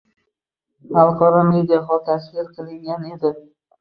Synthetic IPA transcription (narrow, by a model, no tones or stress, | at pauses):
halˠqʰɒɾɒme̞d̪ɪjaχɒt̪ʰasvɪɾqʰɨlˠɪŋɡʲane̞d̪ɪ